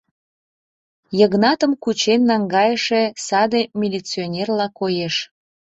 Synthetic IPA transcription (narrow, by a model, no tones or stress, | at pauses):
jəɣnɑt̪əmkut͡ɕenːɑŋɡɑjəʃesɑd̪emʲilʲit͡sionʲerlɑkojeʃ